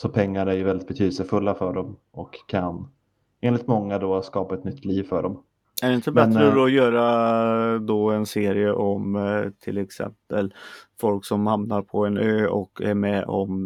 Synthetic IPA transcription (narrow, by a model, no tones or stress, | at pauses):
sɔpʰɛŋːaɾæɾjɵvɛld̪ɪt̪̚bɛt̪ʰyːd̪əlsəfɵlːafœɖɔm | ɔkʰːan | eːnlɪt̪mɔŋːad̪ɔskɑːpaɛt̪nʏt̪ʰːliːvfœɖɔm | æɖɛɪnt̪əbmɛtnɾəd̪ɔjœːɾa | d̪ɔɛnseːɾɪəʔɔmt̪ʰɪlɛksɛ̰mpəlfɔlksɔmhamnaɾpʰɔɛnøːɔkʰːæ̰ɾmɛʔɔ̰m